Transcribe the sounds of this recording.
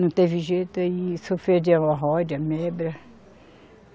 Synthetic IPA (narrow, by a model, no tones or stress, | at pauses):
ɐ̃w̃t̪eviʒejt̪ʊaisofed͡ʒiɐ̃w̃ɐɦɔd͡ʒɐmɛbɾɐ